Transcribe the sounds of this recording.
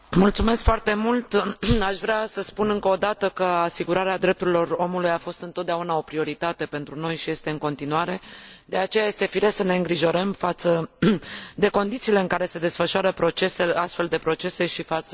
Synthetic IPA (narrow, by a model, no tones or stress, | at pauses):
mult̪sume̞skfoart̪e̞mult̪aʃvɾeasəspunɨŋkəod̪at̪əkəasiɡuɾaɾead̪ɾe̞p̚t̪uɾilo̞ro̞mulujafo̞st̪ɨnt̪ot̪d̪aunao̞pɾio̞ɾit̪at̪e̞pe̞nt̪ɾuno̞jʃije̞st̪e̞ɨŋko̞nt̪inuaɾe̞d̪̥e̞at͡ʃe̞jaje̞st̪e̞fiɾe̞səne̞ɨŋɡɾiʒo̞ɾəmfat̪sə | d̪e̞ko̞nd̪it̪siːle̞ɨŋkaɾe̞se̞d̪e̞sfəʃuaɾəpɾo̞t͡ʃe̞seast̪fe̞ld̪e̞pɾo̞t͡ʃe̞se̞ʃifat̪s